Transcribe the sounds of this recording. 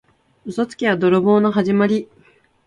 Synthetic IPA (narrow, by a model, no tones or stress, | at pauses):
ɯsot͡sɨ̥kʲead̪o̞ɾobo̞ːno̞ɦaʑimaɾʲi